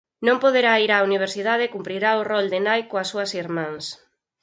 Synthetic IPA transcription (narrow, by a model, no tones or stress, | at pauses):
nõmpoðeɾaiɾaːuniβ̞eɾsiðað̞ɪkumpɾiɾaʊrɔld̪enajkoasuɐsiɾmãŋs